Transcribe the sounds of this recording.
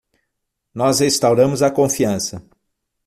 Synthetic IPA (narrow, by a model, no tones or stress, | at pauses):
nɔzhest̪awɾɐ̃mʊzɐkõfiɐ̃sɐ